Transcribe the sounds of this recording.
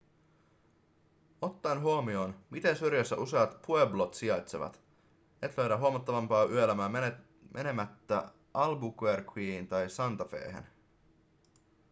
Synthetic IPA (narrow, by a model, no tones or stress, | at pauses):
o̞t̪ːɑnɦuomio̞ːnmit̪e̞nsyrjæsːæʔuseɑt̪pueblot̪siɑjt̪se̞̰ʋɑ̰t̪ | e̞t̪løɥɾæɦuɑmɑt̪ːɑʋɑmpɑːʔyølæmæː | mʔene̞mæt̪ːæ | ɑlbukwerkʰwiːint̪ɑjsɑnt̪ɑfe̞̰ːɦḛn